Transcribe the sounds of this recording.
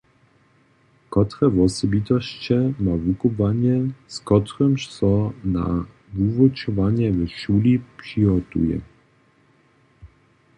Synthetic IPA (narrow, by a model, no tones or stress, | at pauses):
kɔt̪ɾɛvɔsɔbit̪ɔɕt͡ɕɛmavukɔvaɲɛskɔt̪ɾɔmʃsɔna̰ | vuvɔt͡ʃɔvaɲɛvɛʃulipʂiɦɔt̪ṵjɛ̰